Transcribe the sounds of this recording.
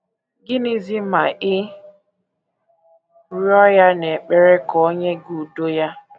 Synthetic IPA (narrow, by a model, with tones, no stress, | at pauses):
ɡɪ˦ni˦zi˦ma˨ʔɪ˦ | ɾjɔ˦ja˦ne˨k͡pe˦ɾe˦kɔ˨˦ɲe˦ɡu˨u˨do˦ja˦